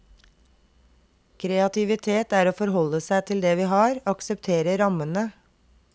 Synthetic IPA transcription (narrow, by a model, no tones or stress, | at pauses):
kʰɾɛɑt̪ʰɪʋɪt̪ʰeːt̪æːɾoːfɔɾɦɔləsæɪt̪ʰɪld̪ɛːʋiːɦɑːɾɑksəpt̪ʰeːɾəɾɑmənə